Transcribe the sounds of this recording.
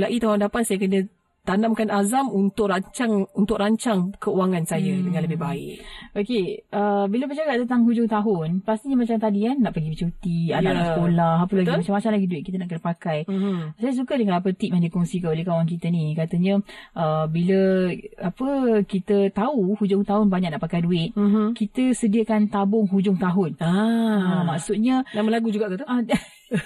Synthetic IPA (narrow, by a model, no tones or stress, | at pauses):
laʔit̪aɦʊndapat̪̚sajəkənə | t̪anamkanazamunt̪ʊk̚raɲt͡ʃaŋunt̪ʊkɾaɲt͡ʃaŋkəuaŋansajədəŋanləbɪhbaɪ̰ʔʔokeʔəbiləpət͡ʃaɡaʔt̪ənt̪aŋɦud͡ʒʊŋt̪aɦʊnpast̪iɲəmat͡ʃamt̪adianːaʔpəɡibət͡ʃut̪iadaʔlaskolahapəlaɡimat͡ʃamːat͡ʃamlaɡiduɪʔ̚kit̪̬ənaʔkənəpakajsajəs̬ukədəŋãnap̬ət̪ip̚adikɔŋsikanolehkawaŋk̬it̪ənĩkat̪əɲə̃ʔəbiləapəkit̪ət̪auhud͡ʒʊŋt̪aɦʊnbaɲaʔ̚naʔpakajduɪt̪̚kit̪əsədiəkant̪abʊŋɦud͡ʒʊŋt̪aɦʊnaamaksut̪̚ɲənaʔməlaɡud͡ʒuɡaʔt̪ut̪ua